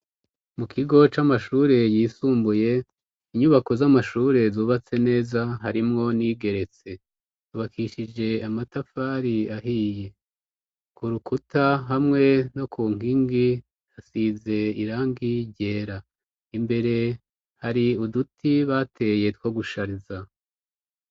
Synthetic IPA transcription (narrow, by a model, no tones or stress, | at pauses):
mukʰiɡo̞t͡ʃamaʃuːɾe̞jiːsuːmbuje̞ | iɲuβako̞zamaʃuːɾe̞zuːβat͡se̞ne̞ːzaɦaɾimŋo̞niːɡe̞ɾe̞t͡se̞ | uβakʰiʃid͡ʒe̞amatafaːɾiaɦiːje̞ | kuɾukutʰaɦamŋe̞no̞kʰuːŋ̥iŋɡi | hasiːze̞iɾaːŋɡiɟe̞ːɾa | imbe̞ɾe̞ | haɾiudutʰiβatʰe̞je̞two̞ɡuʃaɾiza